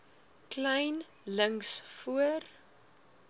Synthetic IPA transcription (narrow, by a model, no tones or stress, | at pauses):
klɛjn | ləŋsfuər